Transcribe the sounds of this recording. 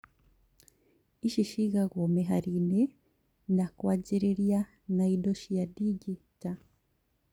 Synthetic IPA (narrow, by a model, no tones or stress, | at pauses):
iʃiʃiɣaɣomeɦaɾine | nakwaɟiɾeɾja | naidoʃijadiɟita